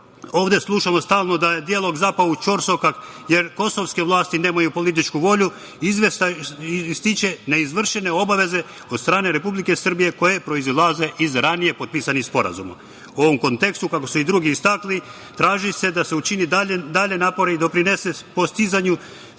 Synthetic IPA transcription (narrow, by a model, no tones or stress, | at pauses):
o̞ːʋd̪eslˠuʃamost̪aːlˠno̞d̪ajed̪ialˠo̞ɡzapaut͡ʃo̞ɾso̞kak | je̞ɾko̞so̞ʋske̞ʋlˠaːst̪ine̞ːmajupo̞lit̪̬it͡ʃkuʋo̞ʎu | izʋe | st̪it͡ʃe̞ne̞izʋr̩ʃene̞o̞baʋe̞ze̞ | o̞d̪st̪ɾaːne̞ɾe̞publike̞sr̩bije̞ko̞je̞pɾo̞izlˠaze̞ʔizɾanije̞pod̪̚piːsanixspo̞ɾa̰zuma̰ | uo̞ʋo̞mko̞nt̪e̞kst̪ukako̞suid̪ɾuɡiist̪akli | t̪ɾaːʒise̞d̪ase̞ut͡ʃinid̪aʎd̪aʎe̞naːpo̞ɾeid̪o̞pɾine̞se̞po̞st̪izaɲu